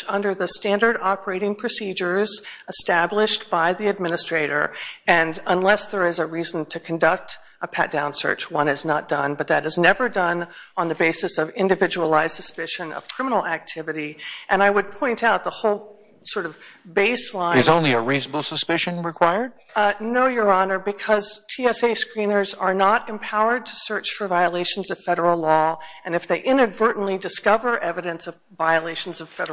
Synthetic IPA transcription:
ʌ̃ndə˞ðɨstæ̃ndə˞ɾɑpə˞eɪɾɪ̃ŋpʰɹ̥ɨsid͡ʒə˞zəstæblɪʃtb̥aɪðiɨd̚mɪ̃nɨstɹ̥eɪɾə̰˞ɨ̃nə̃nlɛsðə˞ɨzɨɹiz̃n̩tʰɨkʰɨ̃n̩dʌk̚t | əpʰæ̰t̚d̥ãʊ̃nsɜ̰˞t͡ʃwʌ̃ñɨznət̚d̥ʌ̃nbʌt̪̚ðɨɾɨznɛvə˞dʌ̃nə̃nðɨbeɪsɨsʌvɪ̃ndɨvɪd͡ʒəl̩ˠaɪz̥sɨspɪʃɨ̃nʌ̰v̥kʰɹ̥ɪ̃mənl̩ˠæk̚tʰɪvɨɾiʔɨ̃ñaɪwəd̚pʰɔ̃ɪ̃ntaʊt̪̚ðəhoʊlˠ | sɔɹɾʌvbeɪslãɪɨ̃zõʊ̃nliɨɹizəbl̩ˠsəspɪʃɨ̃nɹɨkʰw̥aɪə˞d̥̚ | noʊjə˞ɑnə˞bɨkʰʌz̥tʰiɛseɪskɹĩnə˞zə˞nəɾɨ̃mpʰaʊə˞d̚tʰɨ̥sɜ˞t͡ʃfə˞vaɪəleɪʃn̩zʌv̥fɛɾə˞l̩ˠlɔɨ̃nɨfðeɪʔɪ̃nɨdvɜ˞ʔn̩lidɨskʌvə˞ʔɛvɨɾɨ̃nsʌv | vaɪɨleɪʃn̩zʌv̥fɛɾə

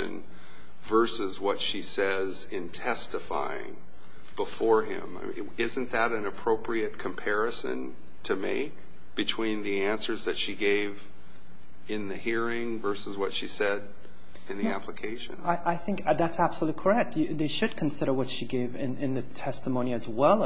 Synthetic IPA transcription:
ɨ̰̃n | vɜ˞sɨzwʌtʃisɛ | z | ɪ̃ntʰɛstɨfa̰ɪɪ̰̃ŋ | b̥əfɔɹɪ̰̃m̰ | ɪzɨ̃nðɨɾɨ̃nɨpʰɹ̥oʊpʰɹiɨt̚kʰɨ̃mpʰɛɹɨsɨ̰̃n | tʰɨmḛɪk̚ | b̥ɨtʰw̥ĩnðiæ̃nsə˞zðɨtʃiɡeɪv | ɨ̃nðɨhiɹɪ̃ŋvɜ˞səzwʌtʃisɛɾ | ɨ̃nðiæpʰləkʰeɪʃɨ̰̃naɪʔaɪθɪ̃ŋkðætsæb̥səlutˡlikʰə˞ɛk̚tjɨðeɪʃɨd̚kʰn̩sɪɾə˞wʌtʃiɡeɪvɪ̃nɪ̃nðɨtʰɛstəmõʊ̃ñiɨzwɛlˠ

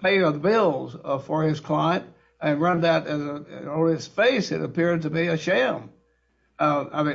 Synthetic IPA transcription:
pʰeɪəðbɪlˠz̥fə˞ɪz̥kʰl̥ãɪɨ̃nt̚ | ɨ̃nɹʌ̃nðɨɾɨzəəɨz̥feɪsɨ̰ɾɨ̰pɪɹd̚tɨbiɨʃæ̃m | ʌa̰ɪmĩ

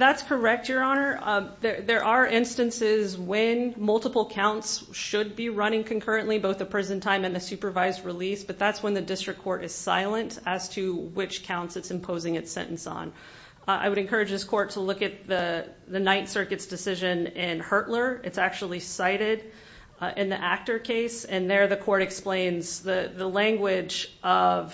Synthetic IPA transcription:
ðætskʰə˞ɛk̚tjə˞ɑnə˞ðə˞ðə˞ʔə˞ʔɪ̃nstɨ̃nsɪzwɨ̃nmʌlˠtəpl̩ˠkʰãʊ̃ntsʃɨd̚biɹʌɾ̃ɪ̃ŋkʰɨ̃nkʰɜ˞ɨ̃nʔliboʊθəpʰɹ̥ɛzɨ̃n̩tʰãɪ̃mɨ̃nðɨsʉpə˞vaɪzɹɪlisb̥ʌt̪̚ðætswə̃nðɨdɪstɹ̥ɨkʰɔɹɾɨz̥sa̰ɪlˠə̃ntɨz̥tʰɨwɪt͡ʃkʰãʊ̃ntsɨtsɨ̃m̩pʰoʊzɪ̃ŋɨtsɛ̰̃nʔn̩sn̩ | a̰ɪwɨɾɨ̃nkʰɜ˞ɨd͡ʒðɪskʰɔɹtʰəlʊkɨt̪̚ðɨ | ðɨnaɪtsɜ˞kɨtsd̥ɨsɪʒɨ̃nɪ̃nhɜ˞ʔˡlə˞ɨtsæk̚t͡ʃul̩ˠisaɪɾɪɾ | ʔɪ̃nðiʔæk̚tə˞kʰeɪsɨ̃nðə˞ðɨkʰɔɹɾɨksplẽɪ̃nzðɨðəlæ̃ŋɡwɪd͡ʒʔʌv̥

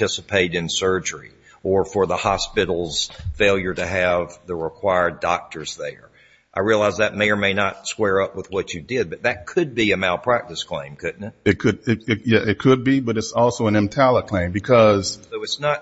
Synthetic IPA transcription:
ɪsəpʰeɪɾɨ̃nsɜ˞d͡ʒə˞ḭ | ʔə˞fə˞ðəhɑspɪɾl̩ˠz̥feɪlˠjə˞ɾɨɨvðəɹɪkʰw̥aɪə˞dɑk̚tʰə˞zðə̰˞ | ʔaɪɹiəlaɪzðɨt̚meɪə˞meɪnətskwɛɹʌpwəðwʌt͡ʃɨdɪd̚bʌt̪̚ðɨt̚kʰɨd̚biɨmaɪlˠpʰɹ̥æk̚tɨskʰl̥ẽɪ̃mkʰʊʔ̚nɨɨt̚kʰɨɾɪɨtjæʔɨt̚kʰɨd̚bibʌɾɨtsɔlˠsoʊə̃nɨ̃mtʰælˠəkʰl̥ẽɪ̃mbɨkʰʌz̥soʊɨtsnət̚

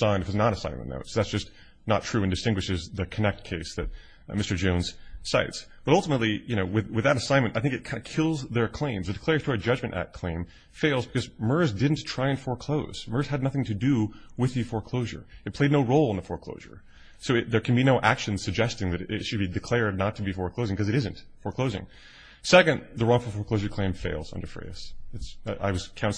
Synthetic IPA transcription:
sãɪ̃ndɨfɨtsnəɾɨsãɪ̃n̰mə̰̃no̰ʊtsoʊðætsd̥ʒ̥ʌs | nə̰tʰɹ̥ʉɨ̃ndɨstɪ̃ŋɡwɨʃɨzðɨkʰɨnɛk̚t̚kʰeɪsðɨt̚ | mɪstə˞d͡ʒõʊ̃nz̥sa̰ɪtsb̥ʌɾʌlˠtəmətˡlijɨñoʊwɨðwɨðɨɾɨsãɪ̃nmɨ̃nʔaɪθɪ̃ŋkɨt̚kʰãɪ̃ndɨkʰɪlˠzðə˞kʰl̥ẽɪ̃mzðɨdɨkʰl̥ɛɹɨtʰɔɹid͡ʒʌd͡ʒmɨ̃nʔæ̰t̚kʰl̥ḛ̃ɪ̃ɱ | feɪlˠzbɨkʰʌzmɜ˞zdɪdⁿn̩tʰɹ̥aɪɨ̃nfəɹkʰl̥oʊz̥mɜ˞z̥ɨdⁿnʌθɪ̃ŋtʰɨdɨwɨðɨfɔɹkʰl̥oʊʒə̰˞ɨt̚pʰl̥eɪdⁿnoʊɹoʊlˠə̃nðəfɔɹkʰl̥o̰ʊʒə̰˞ | soʊɨðə˞kʰɨ̃n̩binoʊʔæ̰kʃɨ̃nz̥sɨɡ̚d͡ʒɛstɪ̃ŋðɨɾɪ̰tʃɨd̚bidɨkʰl̥ɛɹdⁿnətʰɨbifɔɹkʰl̥oʊzɪ̃ŋkʌzɨɾɪzɨ̃nt | fəɹkʰl̥oʊzɪ̰̃ŋ | sɛkɨ̃nðəɹɔ̃ŋfəfɔɹkʰl̥oʊzʒə˞kʰl̥ẽɪ̃ɱfeɪlˠz̥ʌ̰̃ndə̰˞fḛɹɪɨsɨtsʔa̰ɪwʌz̥kʰãʊ̃n

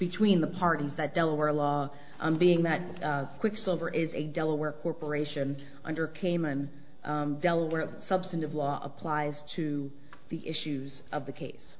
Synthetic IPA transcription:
b̥ɨtʰw̥ĩnðəpʰɑɹɾizðɨt̚d̥ɛlˠəwɛɹlɔ | biɪ̃ŋðɨt̚kʰw̥ɪksoʊvə˞ʔɪzɨdɛlˠəwɛɹkʰɔɹpə˞eɪʃɨ̃n | ʔʌ̃ndə˞kʰẽɪ̃mɨ̃n | dɛlˠəwɛɹsʌb̥stɨ̃n̩ɨvlɔʔə̰pʰl̥aɪz̥tʰɨ | ðiʔɪʃʉz | ʔʌvðɨkʰeɪs

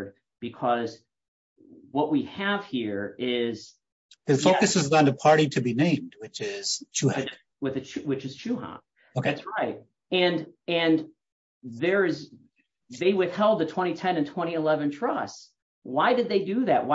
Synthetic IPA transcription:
d̚ | b̥ɨkʰʌz | wʌʔ̚wiɨv̥hiɹɪz̥ | ðɨfoʊkɨsɨzn̩ðɨpʰɑɹɾiɾɨbinẽɪ̃md̚wɨt͡ʃɪz̥t͡ʃʰu | wɨðɨt͡ʃwɨt͡ʃɨz̥t͡ʃʰʉɦɑ̰̃n | oʊkʰeætsɹaɪt̚ | ɨ̃nɨ̃n | ðə˞ɪz | ðeɪwɪθhɛlˠd̪̚ðɨtʰw̥ɛ̃ɾ̃itʰɛ̃nɨ̃ntʰw̥ɛ̃ɾ̃iɨlɛvɨ̃ntʰɹ̥ʌs | waɪdɨd̪̚ðeɪdɨðæʔ̚wa

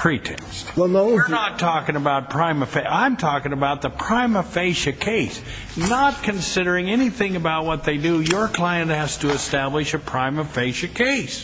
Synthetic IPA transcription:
pʰɹ̥itʰɛ̰̃nstwɛlˠnoʊnətʰɔkɪ̃ŋəbaʊt̚pʰɹ̥ãɪ̃mɨfeʔãɪ̃mtʰɔkɪ̃ŋɨbaʊt̪̚ðəpʰɹ̥ãɪ̃məfeɪʃɨkʰeɪs | nət̚kʰɨ̃nsɪɾə˞ɪ̃ŋɛniθɪ̃ŋɨbaʊt̚wʌt̪̚ðeɪdɨjə˞kʰl̥aɪɨ̃nt̚hæztɨːstæblɨʃɨpʰɹ̥ãɪ̃mɨfeɪʃɨkʰeɪs

